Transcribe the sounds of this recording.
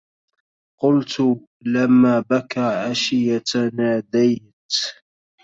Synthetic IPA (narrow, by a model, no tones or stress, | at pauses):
qʊlt̪ | lamːaːbakaːʕaʃɪjat̪naːd̪aj | t̪